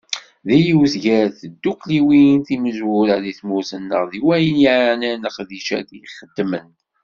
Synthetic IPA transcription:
ðijiwzɡæɾθəd̪ːukliwinθiməzwʊɾaðiθmusənːə̰ʁðiwæjənjiʕnænəqðiʃæ̰d̪iχəd̪ːmən

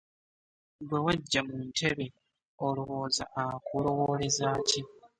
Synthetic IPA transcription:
bwewaɟːamuntʰe̞βe | oluβo̞ːza̰ʔːkulo̞wole̞zaːci

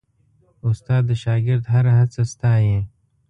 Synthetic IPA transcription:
ʊst̪aːd̪ːəʃaːɡɪɾd̪ɦɐɾɦɐd̪sɐst̪aːjẽ

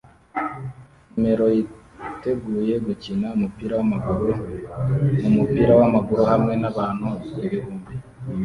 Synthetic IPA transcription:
ɲme̞ɾo̞ji | te̞ɡuːje̞ɡucinaumupiːɾawamaɡuɾu | numupiːɾawamaɡuɾuhamŋe̞naβaːnhueβiɾuːmbi

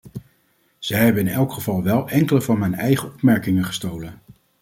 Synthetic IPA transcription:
z̥ɛjɦɛbənɪnɛlˠkχəvɑlˠʋɛlˠɛŋkələvɑnmɛjnɛjχəɔpmɛɹkɪŋəχə̥stowlən

